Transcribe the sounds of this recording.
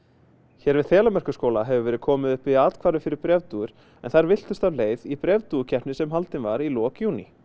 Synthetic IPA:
çɛːɾvɪðθɛːlamɛr̥kʏskoːwlaɦɛvʏvɛːɾɪðkʰɔːmɪðʏhpɪat̪kʰvaːɾʏfɪɾɪɾpɾɛvt̪uʏɾ̥ | ɛnθaɾvɪl̥t̪ʏst̪avleːjðipɾɛvt̪ucʰɛhpnɪsɛmɦalt̪ɪnvaɾilɔːkjuːnḭ

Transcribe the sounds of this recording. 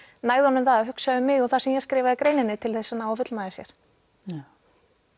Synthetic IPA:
naːjðʏhɔnʏmθaðahʏksaðʏmːɪɣɔθḁsɛmjɛskɾɪːvaðɪkɾeːjnɪnːɪt̪ʰɪlθɛsːɪnawfʏt̪lnaðɪsjɛɾ̥

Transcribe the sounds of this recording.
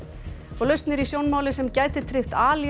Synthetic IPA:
ɔɣlœɥst̪nɪɾisjownmaːwlɪsɛmcaːjt̪ɪt̪ʰɾɪxt̪aːlj

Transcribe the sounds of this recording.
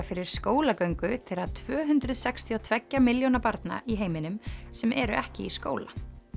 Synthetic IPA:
fɪɾɪɾ̥skoːwlakœɥŋkʏt̪ʰɪaðt̪ʰvœːɦʏnt̪ɾʏðsɛkst̪ʰiɔt̪ʰvɛcːamɪljownapaɾt̪na̰ʔiɦeːjmɪnʏmsɛmʔɛɾʏʔɛhcɪiskoːwla

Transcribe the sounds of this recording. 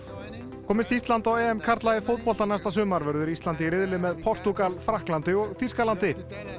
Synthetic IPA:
kʰɔːmɪst̪ist̪lant̪awɛɛmkʰaɾ̥t̪lajɪfowt̪̚pɔlt̪anajst̪asʏːmaɾvɛɾðʏɾisant̪ɪɾɪðlɪmɛðpʰɔr̥t̪ukalfɾahklant̪ɪɔɣθiskalant̪ɪ

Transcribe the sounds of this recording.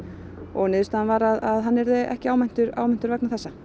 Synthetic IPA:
ɔɣnɪːðst̪anvaɾaðaðɦanːɛɾðɪʔɛ̰hcɪaːwmɛn̥t̪ʏɾa̰ːwmɛn̥t̪ʏɾvɛk̚naθɛsːa

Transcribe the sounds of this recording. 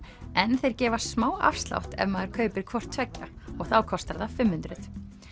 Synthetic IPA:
ɛnθejɾ̥cɛːvḁsmaːwa̰fst̪la̰wht̪ɛ̰vmaðɛɾ̥kʰœːɥpɪɾ̥kʰvɔr̥t̪ʰvɛcːaɔɣθawkʰɔst̪aɾðafɪmːʏnt̪ɾɪθ

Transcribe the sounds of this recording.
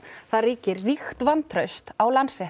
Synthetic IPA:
θaðriːcɪɾːixt̪vant̪ʰɾœɥst̪awlansɛ

